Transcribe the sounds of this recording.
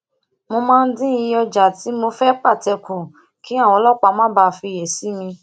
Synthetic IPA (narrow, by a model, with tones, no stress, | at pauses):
mo˧mãː˦˧n̩˦dĩ˦i˧jɔ˧d͡ʒa˨ti˨˦mo˧fɛ˦k͡pa˦˨tɛ˧˨kũ˨ | ki˨˦a˦˨w̃ɔ̃˧˦lɔ˦˨k͡pa˧mã˦ba˧fi˧je˨si˨˦mĩ˧